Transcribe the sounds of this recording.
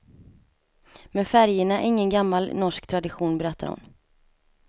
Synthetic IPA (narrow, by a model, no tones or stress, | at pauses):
mɛnfæɾjəɳaʔɛ̰ɾɪŋːənɡamːalnɔʂkt̪ʰɾad̪ɪɧuːnbɛɾɛt̪ʰːa̰ɾhʊ̰n